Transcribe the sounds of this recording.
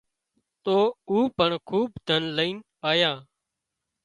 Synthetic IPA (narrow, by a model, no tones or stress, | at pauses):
t̪oːuːpəɳkʰuːbd̪ʱənləiːn | aːjãː